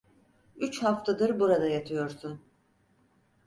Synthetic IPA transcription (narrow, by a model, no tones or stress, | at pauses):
yt͡ʃhaft̪ʰad̪ɯɾbuɾad̪ajat̪ʰɯjo̞ɾsun